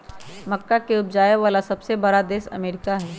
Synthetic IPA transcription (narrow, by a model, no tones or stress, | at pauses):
mɐkːakeʊp̚d͡ʒaːjeʋaːlasɐbsebɐɾad̪eːsɐ̰meːɾɪkaɦɛː